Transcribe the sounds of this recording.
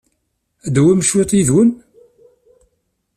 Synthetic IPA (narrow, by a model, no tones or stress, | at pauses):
d̪wæmʃwet̪ˤiðwən